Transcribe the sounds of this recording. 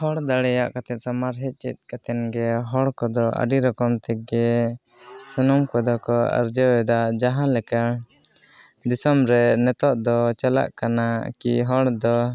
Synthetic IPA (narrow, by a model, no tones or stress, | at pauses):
hɔɽd̪aɽɛjaʔkat̪ɛt̪̚ˀsamaɾɦɛt̪̚ˀt͡ʃḭt̪̚kat̪ɛnɡɛɦɔɽkɔd̪ɔʔa̰ɖiɾɔkɔmt̪ɛɡɛ | sɔnɔmkɛd̪ɔkɔa̰ɾd͡ʒəwɛd̪aʔd͡ʒaɦãlɛka | d̪isɔmɾɛnɛt̪ɔʔd̪ɔt͡ʃala̰ʔkanakiɦɔɽd̪ɔ